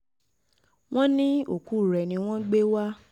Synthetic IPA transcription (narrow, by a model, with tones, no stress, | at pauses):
w̃ɔ̃˦nĩ˦o˨ku˨˦˨ɾɛ˨nĩ˧w̃ɔ̃˦ɡ͡be˦wa˦